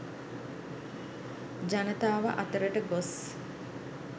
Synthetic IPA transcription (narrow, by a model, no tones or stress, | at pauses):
d͡ʒanət̪aːʋə̰ʔat̪əɾəʈəɡos